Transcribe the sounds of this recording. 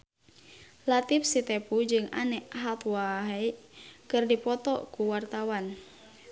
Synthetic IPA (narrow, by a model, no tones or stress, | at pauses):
lat̪ifsit̪ɛpud͡ʒɨŋanɛʔaɦat̪waɦɛikɨrdipɔt̪ɔkuwart̪awan